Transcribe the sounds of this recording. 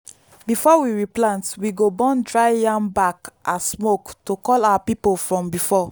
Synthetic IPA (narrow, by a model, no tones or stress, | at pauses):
bifɔwiɹiplãntwiɡobɔ̃ndɹaɪjãmbakʔassmoktokɔlawapipolfɹɔ̃mbifɔ